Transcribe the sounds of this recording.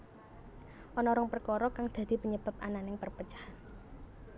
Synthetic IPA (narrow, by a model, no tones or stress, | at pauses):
ʔɔnɔɾɔŋpərkɔɾɔkaŋd̪̥ä̤d̪̥i̤pəɲəb̥a̤p̚ʔa̰nanɪŋpərpət͡ʃḁhan